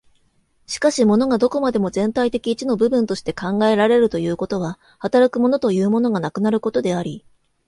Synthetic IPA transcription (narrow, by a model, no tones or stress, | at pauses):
ɕi̥kaɕimo̞no̞ɡad̪o̞ko̞mad̪e̞mo̞zẽ̞nt̪ait̪e̞kʲiːt͡ɕino̞bɯ̟bɯ̟nt̪o̞ɕi̥t̪e̞kãŋɡae̞ɾaɾe̞ɾɯ̟t̪o̞jɯ̟ːko̞t̪o̞β̞a | hat̪aɾakɯ̟mo̞no̞t̪o̞jɯ̟ːmo̞no̞ɡanakɯ̟naɾɯ̟ko̞t̪o̞d̪e̞aɾʲi